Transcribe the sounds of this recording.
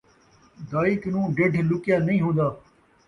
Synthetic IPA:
d̪aːiknũːɖeɖʱlʊkɪjaːnəĩːɦõːnd̪aː

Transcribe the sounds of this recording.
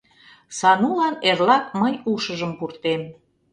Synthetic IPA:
sɑnulɑnerlɑk̚məjuʃəʒəmpurt̪em

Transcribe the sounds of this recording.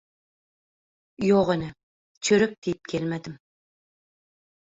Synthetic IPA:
joʁenɪ | t͡ʃʰɵɾʏp̚d̪̥ejɪp̚kʲʰelmæd̪ɪm

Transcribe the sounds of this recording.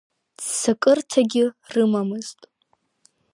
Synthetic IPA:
dsakʼɨrtʰaɡʲɪrɨmamɨztʼ

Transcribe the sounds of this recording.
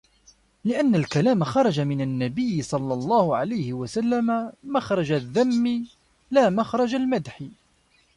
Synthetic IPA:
lɪʔanːalkalaːmaxɑɾˤɑd͡ʒamɪnanːabɪjːɪsˤɑlːɑlˤːɑːhʊʕalajhɪwasalːamamaxɾˤɑd͡ʒaðːamːi | laːmaxɾˤɑd͡ʒalmad̪ħi

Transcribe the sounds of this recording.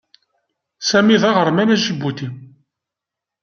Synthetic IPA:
sæmiðɑʁəɾmænæʃəbːut̪i

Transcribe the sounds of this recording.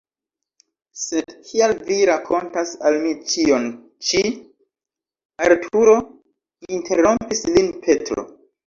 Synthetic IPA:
se̞dkʰialviɾakʰo̞ntasalmit͡ʃio̞n | t͡ʃi | aɾtʰuɾo̞ | inte̞ɾo̞mpislinpʰe̞tɾo̰

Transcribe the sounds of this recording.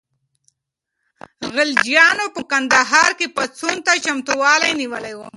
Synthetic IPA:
ɣɪld͡ʒjɑnopəkand̪aɦɑːɾkepat͡sunt̪at͡ʃamt̪uwɑlajniwəlajwu

